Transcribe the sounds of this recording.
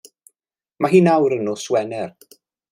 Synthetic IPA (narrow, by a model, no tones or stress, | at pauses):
maɦiːnawɾənɔswɛnɛr